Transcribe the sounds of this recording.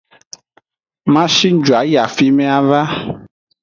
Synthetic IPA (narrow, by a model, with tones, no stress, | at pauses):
mã˦ʃi˦n˦d͡ʒu˨a˨˦ja˨fi˦mɛ̃˦a˨va˦